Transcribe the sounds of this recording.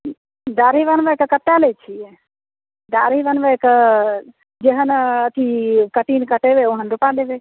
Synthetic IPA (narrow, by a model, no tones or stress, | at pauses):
d̪aɾiʋənbəkəkət̪ːalet͡ʃʰiɛ | d̪aɾibənbəkə | d͡ʒeɦənət̪ʰikəʈinkəʈebeoɦənɾupad̪ebe